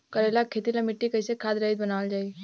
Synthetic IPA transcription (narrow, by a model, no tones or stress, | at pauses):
kɐɾelakʰːeːt̪ilamɪʈːikɐisekʰaːd̪ɾɐid̪̚bɐnaːld͡ʒaːi